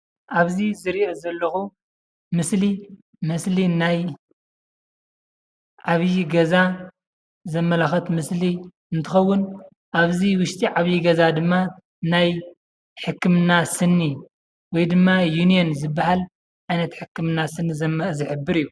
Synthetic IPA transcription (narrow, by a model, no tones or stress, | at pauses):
ʔaβzizɨɾiʔozɐlːɐxu | mɨsli | mɨslinaj | ʕaβjiɡɐza | zɐmːɐlɐxɐt̪mɨsli | ɨnt̪ʰɨxɐwːʊn | ʔaβziwʊʃt̪ʰiʕaβjiɡɐzad̪ɨmːa | naj | ħɨkːɨmnasɨnːi | wɔjd̪ɨmːajunijonzɨbːahal | ʕajnɐt̪ħɨkʰːɨmnasɨnːizɐmzɨħɨbːɨɾijːu